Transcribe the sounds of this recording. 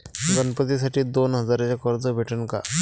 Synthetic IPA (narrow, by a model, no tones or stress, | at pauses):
ɡənpət̪isaʈiːd̪onɦəd͡zaɾet͡ɕakəɾd͡zəbʱeʈənka̰